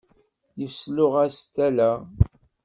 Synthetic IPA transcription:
jəfslʊʁæst̪ːælæ

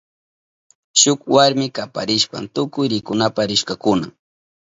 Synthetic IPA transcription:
ʃʊkwaɾmɪkapa̰ɾɪʃpa̰nt̪ʊkʊjɾɪkʊnapaɾɪʃkakʊna̰

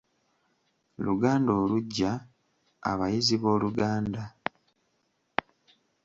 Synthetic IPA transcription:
luɡaːndo̞ːluɟːa | a̰βajiziβo̞ːluɡaːnda

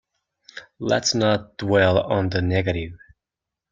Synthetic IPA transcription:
lə̰tsnət̚d̥wɛlˠə̃nðənɛɡɨɾɪv̥

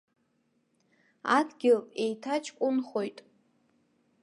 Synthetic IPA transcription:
a̰dɡʲɪle̞jtʰat͡ʃʼʰkʷʼʊnχojtʼ

